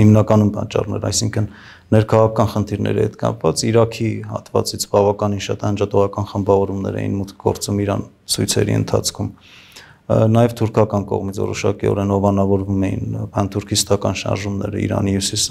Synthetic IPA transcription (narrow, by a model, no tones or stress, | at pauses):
himnɑkɑnumpɑt͡ʃːɑrnɛɾɑ̰jsiŋkʰənː | ɛɾkʰɑʁɑkʰɑkʰɑnχənt̪ʰiɾnɛ̰ɾihɛt̪kɑpvɑt͡siɾɑkʰihɑ̰t̪vɑt͡sit͡sʰbɑvɑkɑninʃɑt̪ɑnd͡ʒɑt̪ɔʁɑkɑnχəmbɑvɔɾumnɛɾɛ̰jḭnmut̪kʰɡɔ̰ɾt͡sumiɾɑn | t͡sʰujt͡sʰɛ̰ɾḭə̰nt̪ʰɑt͡sʰkʰum | nɑjɛvt̪ʰuɾkʰɑkɑnkɔ̰ʁmit͡sʰvɔ̰ɾɔʃɑkiɔ̰ɾɛnhɔvɑnɑvɔɾvumɛjḭnkʰɑnt̪ʰuɾkʰist̪ɑkɑnʃɑ̰ɾʒumnɛɾə̰ḭɾɑ̰nijusis